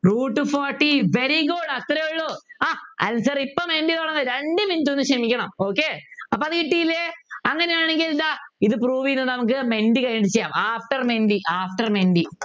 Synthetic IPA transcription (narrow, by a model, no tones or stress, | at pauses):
ruːʈːɨfoːrʈːiʋeɾiɡoɽɐt̪ɾɐjuɭːoaːɐ̰saːripːoːmenɖit̪oːɳɐnɾeɳɖɨmintːonːɨʂɐmikʲːɐɳɐmoːkːeɐpːoːɐðɨkiʈːijilːeɐŋːɐnejaːɳe̞ŋɡillaiðɨpruːʋijnːɨnɐmukːɨme̞nɖikɐjniʈit͡ɕejaːmaːfʈɐrmenɖiʔaːfʈɐrmenɖi